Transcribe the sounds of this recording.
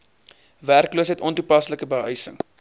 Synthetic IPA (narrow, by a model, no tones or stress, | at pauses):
værkluəsɦɛjtʔɔntupɐsləkəbəɦœjsə̰ŋ